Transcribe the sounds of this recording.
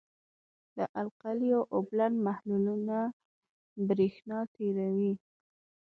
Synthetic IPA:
d̪əʔalqalijoʔoblanmahluluna | bɾexnɑt̪ʰeɾawi

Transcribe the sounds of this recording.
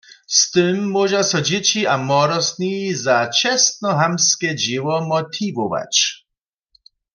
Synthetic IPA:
st̪ɪmːɔʒasɔd͡ʑet͡ɕiamɔɾɔsnizat͡ʃɛst̪nɔɦamskɛd͡ʑiwɔmɔt̪ʰivɔva̰t͡ɕ

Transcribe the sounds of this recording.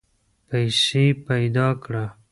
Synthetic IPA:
pajsepajd̪ɑkɽa

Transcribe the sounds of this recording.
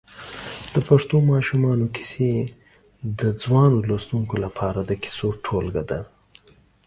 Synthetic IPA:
d̪̥əpaʂt̪omɑʃumɑnoki̥se | d̪əd͡zwɑnolost̪uŋkolapʰɑɾad̪əki̥soʈʰolɡad̪a

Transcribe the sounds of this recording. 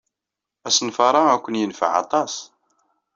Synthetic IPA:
æsənfɑɾˤɑækʷːənjənfa̰ʕɑ̰t̪ˤɑs

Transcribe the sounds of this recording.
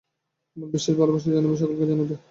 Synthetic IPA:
biʃːeʃbalobaʃ̬ed͡ʑanebeʃ̬ɔkolked͡ʑanube

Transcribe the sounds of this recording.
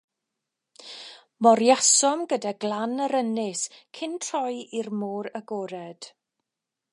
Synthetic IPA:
mɔɾjasɔmɡədaɡlˠanəɾənɪskʰɪntʰrɔjirmuːɾəɡɔːɾɛd̥

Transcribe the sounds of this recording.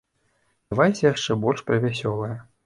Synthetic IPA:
vajsʲɐjaʂt͡ʂɛbɔlʲʂpɾɐvʲasʲɔlˠɐjɛ

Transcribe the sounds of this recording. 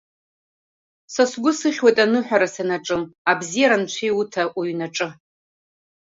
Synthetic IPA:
sasɡʷʊsɨχʲwejtʼanɨħʷᶣaɾasanaʈ͡ʂʼɨmabzijaɾant͡ʃʷʰejutʰaʔuɥnaʈ͡ʂʼɨ

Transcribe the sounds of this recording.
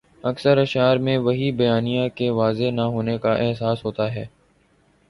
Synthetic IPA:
ɐksəɾɐʃaːɾmẽʋɐɦibɐjaːnijãkeʋaːzenaɦoːnekaʔɛɦsaːsɦoːt̪aɦɛː

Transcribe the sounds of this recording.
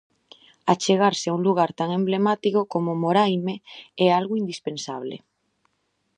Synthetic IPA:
at͡ʃeɣ̞aɾseauŋluɣ̞aɾt̪aŋẽmblemat̪ikokomomoɾajmeɛalɣoind̪ispẽnsaβlḛ

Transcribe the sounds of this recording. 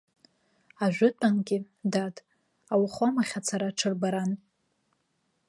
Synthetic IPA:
aʒʷᶣʊtʷʼanɡʲɪ | datʼ | awχʷamaχʲat͡sʰaɾaʈ͡ʂʰɨrbaɾan

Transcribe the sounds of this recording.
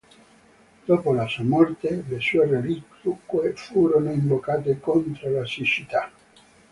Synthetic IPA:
d̪̥oːpolasuamɔrt̪elesuːerelikukwefuːɾonoiɱbokaːt̪ekont̪ɾolasit͡ʃit̪a

